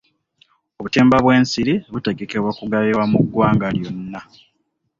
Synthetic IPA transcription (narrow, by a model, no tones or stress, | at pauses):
oβuteːmbaβwe̞ːnsiɾiβute̞ɡe̞ke̞βwakuɡaβiwamuɡːwaːŋɡaljo̞nːa